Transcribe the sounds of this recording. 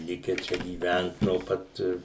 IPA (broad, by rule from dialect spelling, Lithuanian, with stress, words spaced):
ˈlʲɪkʲɛ ˈt͡ʃʲɛ ɡʲiːˈʋʲænt noː ˈpɐt